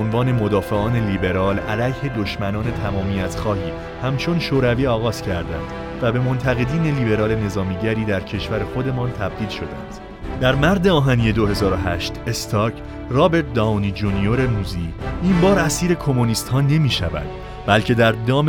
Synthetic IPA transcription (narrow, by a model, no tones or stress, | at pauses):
onvɒːne̞mo̞d̪ɒːfe̞ɒːne̞liːbe̞ɾɒːlælæjhe̞d̪o̞ʃmænɒːne̞t̪ʰæmɒːmijæt̪ʰxɒːhiː | hæmt͡ʃʰo̞nʃoːɾæviːɒːɣɒːz̥cʰæɾd̪æ̰nd̪̥ | væbe̞mo̞nt̪ʰæɣe̞d̪iːne̞liːbe̞ɾɒːle̞ne̞zɒːmiːɟæɾiːd̪æɾcʰe̞ʃvæɾe̞xo̞d̪e̞mɒːnt̪ʰæb̚d̪iːlʃo̞d̪æ̰nd̪̥ | d̪̥æɾmæɾd̪eɒːɦænije̞d̪ohe̞zɒːɾo̞ɦæʃt̪est̪ʰɒːcʰ | rɒːbe̞ɾt̪̚d̪ɒnid͡ʒunio̞ɾe̞nuːziːimbɒːɾæsiːɾe̞kʰo̞moniːst̪hɒːne̞miːʃæ̰væ̰d̪̥ | bælcʰe̞d̪æɾd̪ɒːm